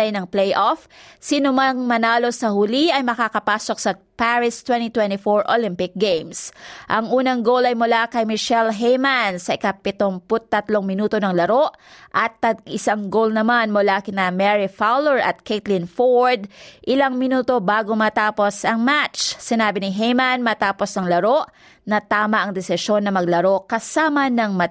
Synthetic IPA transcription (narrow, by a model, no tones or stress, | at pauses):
ɐjnɐŋplɛjʔofsiːnomɐŋmɐnaːlo̞sɐhuliɐjmɐkakɐpaːso̞k̚sɐ | paɹɪst̪wɛnt̪it̪wɛnt̪ifoɹʔolɪmpɪk̚ɡejmsʔɐŋʔuːnɐŋɡowlɐjmʊlakɐjmɪʃɛlɦejmansɐʔɪkɐpɪt̪oŋpʊt̪ːɐt̪loŋmɪnuːt̪o̞nɐŋlɐɾoʔʔɐt̪ːɐʔɪsaŋɡowlnɐmanmʊlakɪnɐmɛɹifawlɛɹʔɐ̰t̪̚kʰet̪lɪnfoɹd̪̚ʔɪlaŋmɪnuːt̪o̞baːɡomɐt̪aːpo̞sɐŋmat͡ʃsɪnaːbɪnɪɦejmɐnmɐt̪aːpo̞sɐŋlɐɾoʔ | nɐt̪aːmɐʔɐŋd̪ɛsɪʃo̞nːɐmɐɡ̚lɐɾo̞kɐsaːmɐnɐŋmɐ